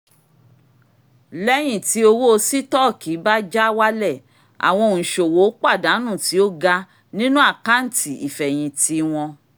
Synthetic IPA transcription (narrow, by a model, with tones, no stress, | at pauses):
lɛ˦j̃ĩ˦˨ti˨˦o˧wo˦o˧si˦tɔ˦˨kʰi˨˦ba˦d͡ʒa˦wa˦lɛ˦˨ | a̰˨w̃ɔ̃˧˨ñ̩˨ʃo˨wo˨˦k͡pa˦˨da˨˦nũ˦˨ti˨˦o˦ɡa˧ | nĩ˦nũ˦a˦˨ka˦n̩˨tʰi˨i˨fɛ˨j̃ĩ˨tʰi˧w̃ɔ̃˧